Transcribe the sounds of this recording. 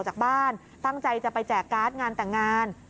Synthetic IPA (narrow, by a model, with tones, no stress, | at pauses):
wt͡ɕaː˨˩k̚baː˥˩n | t̪a˥˩ŋt͡ɕa˧jt͡ɕa˨˩pa˧jt͡ɕɛː˨˩kːaː˦˥t̪̚ŋaː˧nt̪ɛː˨˩ŋaː˧n